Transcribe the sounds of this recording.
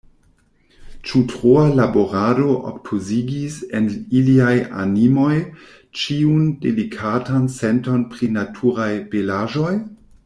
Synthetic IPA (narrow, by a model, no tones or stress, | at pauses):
t͡ʃutʁoalaboɾado̞ʔo̰kpʰoziɡiseniliaja̰nimo̞j | t͡ʃiundḛlikʰatansento̞npɾinatʰuɾajpelaʒo̞j